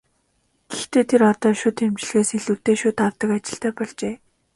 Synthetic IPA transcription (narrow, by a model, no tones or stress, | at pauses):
ɡ̥ext̪eːt̪ʰeɾɔt̪ɔːʃʊt̪ʰemt͡ɕɪ̆ɮɣeːseɮuːt̪eːʃʊːt̪awt̪ə̆kat͡ɕɪ̆ɬt̪æːpɔɮt͡ɕeː